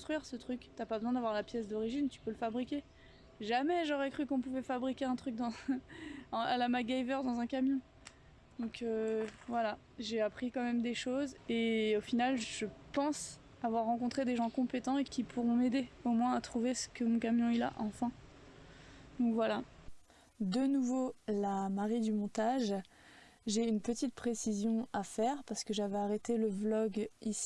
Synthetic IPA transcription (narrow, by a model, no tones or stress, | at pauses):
kɔ̃st̪χɥiʁsət̪χykt̪yapabəzwɛ̃d̪avwaʁlapjɛsd̪ɔʁiʒint̪y̥pøləfabʁikʲe | ʒamɛʒɔʁɛkχykɔ̃puvɛfabʁikʲeɛ̃t̪χyk̚d̪ɑ̃ | alamaɡaivœʁd̪ɑ̃zɛ̃kamjɔ̃ | d̪̥ɔ̃køvwala | ʒeapχikɑ̃mɛmd̪eʃozeofinalʒəpɑ̃s | avwaʁːɑ̃kɔ̃t̪χed̪eʒɑ̃kɔ̃pet̪ɑ̃ekʲipʰuʁɔ̃med̪eomwɛ̃at̪χuvesə̥kəmɔ̃kamjɔ̃ila̰ʔɑ̃fɛ̃ | d̪̥ɔ̃kvwala | d̪ənuvolamaʁid̪ymɔ̃t̪aʒ | ʒeynpət̪it̪̚pχesizjɔ̃afɛʁpaʁsə̥kəʒavɛaʁet̪eləvlɔɡisi